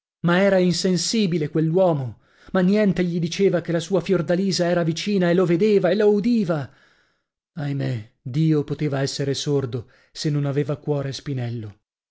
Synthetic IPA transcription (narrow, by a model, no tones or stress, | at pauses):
maɛːɾainsensiːbilekwelːwɔːmo | manːjɛnt̪eʎid̪it͡ʃeːvak̟elːasuːafjord̪aliːzaɛːɾavit͡ʃiːnaeloved̪eːvaeloud̪iːva | ajmed̪iːopot̪eːvaɛsːeɾesord̪o | senːonaveːvakwɔːɾespinɛlːo